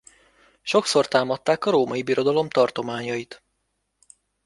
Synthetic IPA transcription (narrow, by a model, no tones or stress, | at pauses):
ʃo̞kso̞rt̪aːmɒt̪ːaːkɒɾoːmɒibiɾo̞d̪ɒlo̞mt̪ɒrt̪o̞maːɲɒit̪